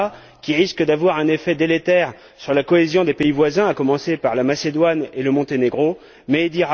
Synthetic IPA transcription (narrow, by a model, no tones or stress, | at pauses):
kʲiʁiskəd̪avwaʁɛ̃nefɛd̪elet̪ɛʁ | syʁlakɔezjɔ̃d̪epeivwazɛ̃akɔmɑ̃sepaʁlamased̪waneləmɔ̃t̪eneɡʁo | mɛd̪iʁa